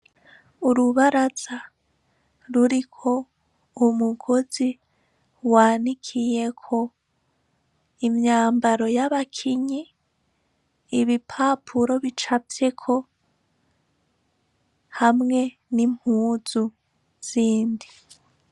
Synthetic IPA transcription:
uɾuβaɾaz̥a | ɾuɾikʰo̞ | umuɡo̞zi | waːnikʰije̞kʰo̞ | imɲaːmbaɾo̞jaβakʰiɲi | βipʰapʰuɾo̞βit͡ʃapje̞kʰo̞ | hamŋe̞ | nim̥huːz̥u | z̥iːndi

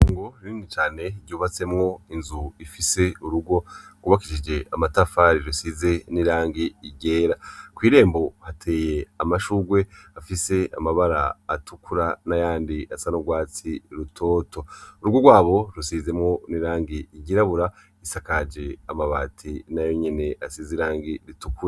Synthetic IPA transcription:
ŋɡoɾiniːnit͡ʃaːne̞ɾɟuːβat͡se̞mŋo̞inzuifise̞uɾuɡo̞ɡ̥uβakiʃid͡ʒe̞ʔamatafaɾiɾusize̞niɾaːŋɡiːɟe̞ːɾakwiːɾe̞ːmbo̞hatʰe̞ːje̞amaʃuɡwe̞afise̞a̰maβaɾaːtukuɾanajaːndiasanoɡwaːt͡siɾutʰo̞ːto̞uɾuɡo̞ɡwaːβo̞ɾusize̞mŋo̞niɾaːŋɡiiɟiɾaβuɾa | isakad͡ʒe̞amaβaːtʰinajo̞ɲine̞ʔasiziɾaːŋɡiɾitukuɾa

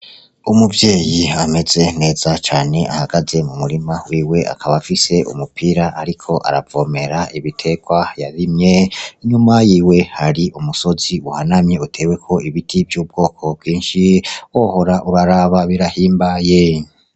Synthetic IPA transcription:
umuvje̞ːjiame̞ze̞ŋe̞ːzat͡ʃaːne̞ʔa̰haɡ̥aze̞mumuɾimawiːwe̞ʔa̰kʰaβafise̞ʔṵmupiɾaʔaɾikʰo̞ʔa̰ɾavo̞ːme̞ɾaiβitʰe̞ɡ̥wajaɾimɲe̞ɲumajiːwe̞haɾiʔumuso̞ziuhanamɲeutʰe̞we̞kʰo̞iβitʰivjuːb̚ɡo̞ːkʰo̞b̚ɡiːnʃiwoho̞ɾaʔuɾaɾaβaβiɾahiːmbaje̞

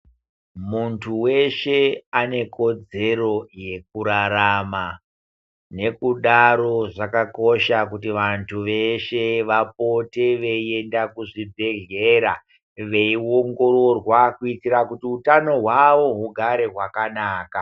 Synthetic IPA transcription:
muntʰuwe̞ʃe̞ane̞ko̞d͡ze̞ro̞je̞k̚uɾaɾama | ne̞kuɗaɾo̞ʐakako̞ʃak̬utiʋantʰuʋeʃe̞ʋap̚o̞te̞ʋeie̞ndakuʐibʱe̞ɮeːɾa | ʋe̞ioŋɡo̞ɾo̞rwakuitiɾakutiutano̞ɦwaʋo̞ɦuɡʱaɾe̞ɦwakanaːka

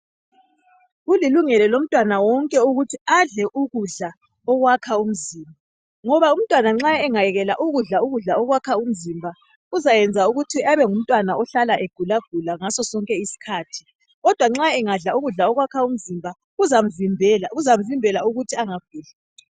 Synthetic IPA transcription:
ɣuliluŋɛlɛlom̩tʼwanawɔŋkʼɛuɣutʰiaɮɛʔuɣuɮa | ɔɣwakʰaum̩ziːmbʱa | ŋɔβaum̩tʼwanaŋ͡ǁaɛŋajɛɣɛlaʔuɣuɮauɣuɮaɔɣwakʰaum̩zimbʱa | uzajɛnd͡zʱauɣutʰiaβɛŋum̩tʼwanaʔɔɬalaʔeɡ̥ʱulaɡ̥ʱulaŋasɔsɔŋkʼɛisi̥kʰaːtʰi̥ | ɣɔd̥ʱwaŋ͡ǁaɛŋaɮauɣuɮaɔɣwakʰaum̩zimbʱa | ɣuzam̩vimbʱɛlaɣuzam̩vimbʱɛlauɣutʰiaŋaɡ̥ʱuːla

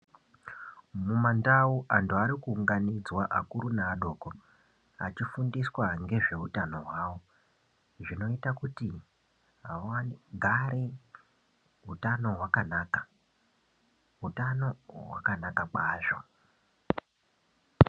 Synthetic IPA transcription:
mumandauʔantʰuaɾikuːŋɡanid͡zwaʔakuɾunaːɗo̞ːko̞ | at͡ʃifundiswaŋɡe̞ʐe̞utano̞ɦwaːwo̞ | ʐino̞itakuti | ɦaaɡʱaɾe | ɦutano̞ɦwakanaːkḁ | ɦutano̞wa̰kanakakaːʐo̞

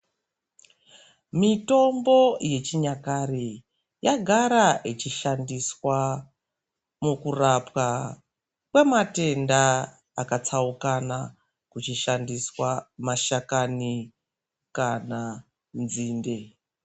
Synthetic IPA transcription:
mito̞mbo̞je̞t͡ʃiɲakari | jaɡʱaɾaʔit͡ʃiʃandiswa | mukurapwa | kwe̞mate̞ndaː | kat͡saukana | kut͡ʃiʃandiswamaʃakani | kana | nziːnde̞

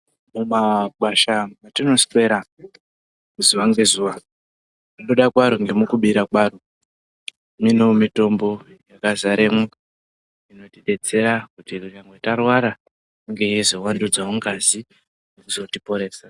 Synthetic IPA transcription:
mumaɓwaʃamatino̞spe̞ɾa | muzuwaŋɡe̞zuːwa | nunoɗakwaɾoŋɡe̞mukuɓiɾakwaːro | minomito̞mbo̞ | jakazaɾemu | ino̞tiɗe̞d͡ze̞ɾakutiruɲaŋɡwetarwaɾa | kuŋɡe̞ezo̞wandud͡zamuŋkazi | nnekuzo̞tipo̞ɾe̞ːsa

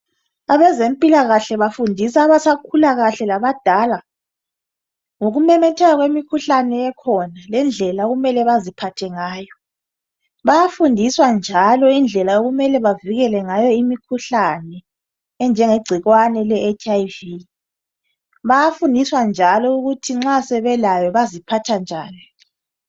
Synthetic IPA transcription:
aβɛzem̩pʼilaɣaɬɛβafundʱisaːβasakʰulaɣaɬɛlaβad̥ʱala | ŋoɣumɛmɛtʰɛɣaɣwemikʰuɬanɛɛkʰɔnalɛnd͡ɮʱɛlaoɣumɛlɛβazipʰatʰɛŋaːjɔ | βajafundʱiswand͡ʒʱalɔind͡ɮʱɛlaoɣumɛlɛβaviɣɛlɛŋajɔimikʰuɬanɛː | nd͡ʒʱɛŋeɡ͡ǀʱiɣwanɛlɛːt͡ʃajvi | βajafundʱiswand͡ʒʱalɔuɣutʰiŋ͡ǁasɛβɛlajɔβazipʰatʰand͡ʒʱaːnɔ

